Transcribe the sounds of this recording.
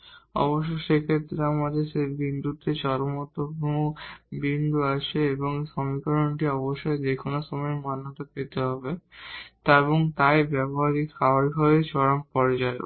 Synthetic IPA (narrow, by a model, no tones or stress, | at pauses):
ɔ̰boʃːoʃekʰet̪ːɾeamad̪eɾʃeɾbind̪ut̪et͡ɕɔɾomɔt̪ːopmobind̪uaʃeeboŋʃɔmikɔɾoɳʈiɔboʃːɔed̪ekʰonasɔmeɾmanːat̪apet̪eɦɔbet̪aeβoŋt̪aebɛboɦaɾikʰaaɾiɦɔbet͡ɕɔɾampɔɾed͡ʑaḛ